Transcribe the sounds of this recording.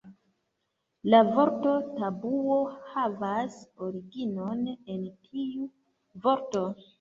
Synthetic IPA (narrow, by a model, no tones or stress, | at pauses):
lavo̞ɾto̞tabuo̞havasoɾiɡino̞ne̞ntʰiu | vo̞ɾto̞